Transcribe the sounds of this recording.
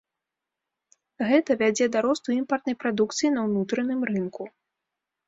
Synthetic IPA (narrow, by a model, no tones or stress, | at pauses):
ɣɛt̪ɐvʲad͡zʲɛd̪aɾɔst̪uimpɐrt̪nɐjpɾad̪ukt̪sɨjinɐwnut̪ɾɐnɨmrɨnku